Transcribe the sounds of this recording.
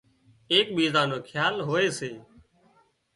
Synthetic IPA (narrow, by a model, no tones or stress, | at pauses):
eːk̚ɓiːzãːnoːkʰjaːlɦoːeːseː